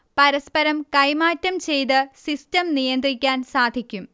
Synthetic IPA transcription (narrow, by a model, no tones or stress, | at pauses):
pɐɾɐspɐɾɐmkɐjmaːtːɐmt͡ɕe̞jt̪ɨsistɐmnijɐnd̪rikʲːaːnsaːd̪ʱikʲːum